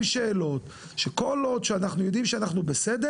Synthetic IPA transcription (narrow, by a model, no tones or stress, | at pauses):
mʃeːlo̞t̪ | ʃeko̞lo̞d̪ʃeanaχnujo̞d̪imʃeanaχnubesed̪e